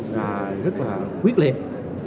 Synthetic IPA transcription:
zaː˨˩jzt̚laː˨˩kwi˦˥ət̚li˨˩əp̚

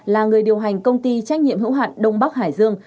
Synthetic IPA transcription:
laː˨˩ŋɨ˨˩əjɗi˨˩əwɦa˨˩ŋ̟kə˧wŋ͡mt̪i˧t͡ɕa˦˥jk̟̚ɲḭ˧˨əmhɨ̰˧˥wɦaː˧˩nɗə˧wŋ͡mɓa˦˥k̚haː˧˩jzɨ˧əŋ

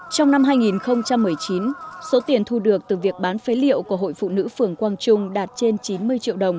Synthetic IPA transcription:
t͡ɕɔ˧wŋ͡mna˧mɦaː˧jŋi˨˩nxə˧wŋ͡mt͡ɕa˧mːɨ˨˩əjt͡ɕi˨˦nso˨˦t̪i˨˩ənt̪ʰu˧ɗɨ˨˩ək̚t̪ɨ˨˩vi˨˩ək̚ɓaː˨˦nfe˨˦lḭ˧˨əwku˧˩əɦo̰˧˨jfṵ˧˨nɨ̰˧˥fɨ˨˩əŋkwaː˧ŋt͡ɕʊ˧ŋ͡mɗaː˨˩t̚t͡ɕe˧nt͡ɕi˨˦nmɨ˧əjt͡ɕḭ˧ə˨wɗə˨˩wŋ͡m

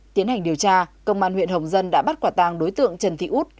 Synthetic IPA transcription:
t̪i˨˦ənha˨˩jŋ̟ɗi˨˩əwt͡ɕaː˧kə˧wŋ͡mʔaː˧nhw̰ənhə˨˩wŋ͡mzə˧nɗa̰ː˧˥ɓa˦˥t̚kwaː˧˩t̪a˧ŋɗo˨˦jt̪ɨ̰˧˨əŋt͡ɕə˧˩nt̪ʰḭ˧˨ʔu˦˥t̚

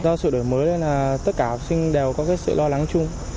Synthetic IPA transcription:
zɔ˧sɨ̰˧˨ɗo˧˩jməː˨˦jle˧nlaː˨˩t̪ə˦˥t̚kaː˧˩˨sï˧ŋ̟ɗɛ˨˩wkɔ˨˦kaː˨˦j̚sɨ̰˧˨lɔ˧la˨˦ŋt͡ɕʊ˧ŋ͡m

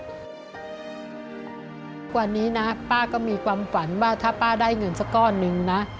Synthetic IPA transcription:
kwa˧˩niː˦˥na˦˥paː˥˩kɔː˥˩miː˧kʰwaː˧mfa˩˦nwaː˥˩t̪ʰaː˥˩paː˥˩daː˥˩jŋɤ˧nsa˧˥kɔː˥˩nːɯ˧ŋna˦˥ʔ

